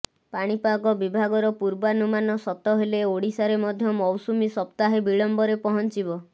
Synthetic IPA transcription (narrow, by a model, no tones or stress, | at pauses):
paɽ̃ipaɡɔbibʱaɡɔɾɔpuɾbanumanɔsɔt̪ɔɦeleoɽisaɾemɔd̪ʱjɔmɔwsumisɔpt̪aɦebiɭɔmbɔɾepɔɦɔnt͡ʃibɔ